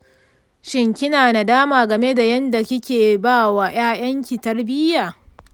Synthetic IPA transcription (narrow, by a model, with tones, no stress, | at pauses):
ʃɪ˦ŋkʲɪ˦naː˨na˨daː˦maː˨ɡɐ˨me˦da˨jɐ˦nda˨kʲɪ˦kʲeː˨baː˦˨wa˨j̰aː˦j̰ɐ˦ŋkʲi˨tɐ˦rbɪ˦jaː˨